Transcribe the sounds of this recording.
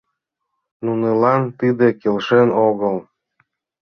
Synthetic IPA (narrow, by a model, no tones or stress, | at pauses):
nunelɑnt̪id̪ekelʃenoɣəl